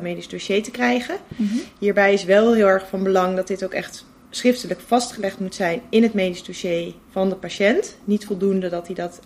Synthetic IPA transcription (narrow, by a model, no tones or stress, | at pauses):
mejdizdoʃejtəkrɛjχəɦiːɹbɛjɪsʋɛlˠɦɪːlˠɛɹχfɑnbəlɑŋdɑt̚dɪtowkɛ̰χt | srɪftələkfɑstχəlɛχtmutsɛjnɪnɦətmejdizdoʃej | v̥ɑndəpaʃɛntnitfɔlˠdundədɑtidɑt